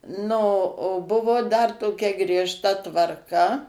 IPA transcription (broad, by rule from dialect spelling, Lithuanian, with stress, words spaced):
nʊ oː ˈbʊʋoː dɐr toːˈkʲɛ ɡrʲiɛʃˈtɐ tʋɐrˈkɐ